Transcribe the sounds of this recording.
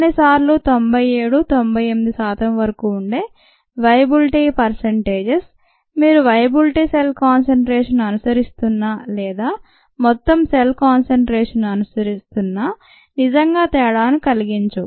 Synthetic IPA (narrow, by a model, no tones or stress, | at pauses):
nisaːɾlut̪o̞mbʱɐjeːɽut̪o̞mbʱɐjemid̪isaːt̪ɐmʋɐɾɐkuːɳɖeː | ʋɐjɐbilʈipɐɾseɳʈeːd͡ʒes | miːɾuʋɐjɐbilʈiselkaːnseɳʈɾeːʂɐnːɐnusɐɾist̪unːaːlɛːd̪aː | mɔt̪ːɐmselkaːnseɳʈɾeːʂɐnːɐnusɐɾist̪unːaː | nid͡ʒɐŋɡaːt̪ɛːɽaːnukɐliɡiɲt͡ʃu